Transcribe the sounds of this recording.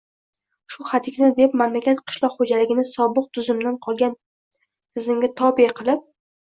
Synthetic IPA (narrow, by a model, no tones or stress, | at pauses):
ʃʊχat̪ʰɪkʲnad̪epmamlakʲat̪qʰɨ̥ʃlˠɒqχod͡ʒalɪɡʲɪnɪsɒbɨq̚t̪ʰʊzɪmd̪anqʰɒlˠɡʲan | t̪ʰɪzɪmɡʲat̪ʰɒbiqʰɨlˠɪp̚